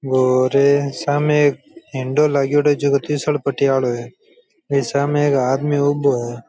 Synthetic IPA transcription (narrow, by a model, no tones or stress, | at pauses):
ɡoːɾeːsaːmeeːk̚ | ɦɪɳɖoːlaːɡjoːɽeːd͡ʒokt̪isəɽpəʈɪjaːloːɦeː | isaːmeeːkaːd̪miʊboɦe